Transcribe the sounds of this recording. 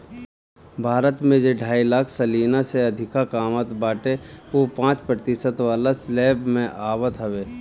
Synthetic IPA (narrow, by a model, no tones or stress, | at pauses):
bʱaːɾət̪mẽd͡ʒeɖʱaːilaːkʰsɐliːnaseɐd̪ʱɪkakaːmət̪baːʈeopãːt͡ʃpɾət̪ɪsət̪ʋaːlasleːbmẽʔaːbət̪ɦɐʋeː